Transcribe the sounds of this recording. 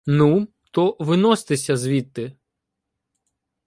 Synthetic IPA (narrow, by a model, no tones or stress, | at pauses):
nu | t̪ɔʋɪnɔst̪ɪsʲɐzʋʲit̪ːɪ